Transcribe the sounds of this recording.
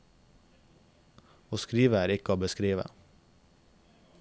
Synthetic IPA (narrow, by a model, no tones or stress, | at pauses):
oːskɾiːʋəæːɾɪkəoːbəskɾiːʋə̰